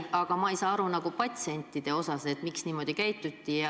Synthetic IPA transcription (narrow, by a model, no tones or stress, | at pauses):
ɑɡ̥ɑmɑejsɑːɑɾunɑɡ̥upɑt̪sienʲt̪ːˑid̪̥e̞o̞sɑse̞t̪ˑmiksniːmo̞d̪̥ikæjt̪ːˑut̪ːiɑ